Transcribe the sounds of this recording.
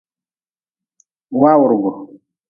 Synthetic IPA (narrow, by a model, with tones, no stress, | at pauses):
waː˦wʊ˨ɾɡʊ˨ɾ